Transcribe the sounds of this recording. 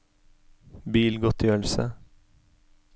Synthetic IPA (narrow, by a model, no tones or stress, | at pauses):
biːlɡɔt̪jœlsə̰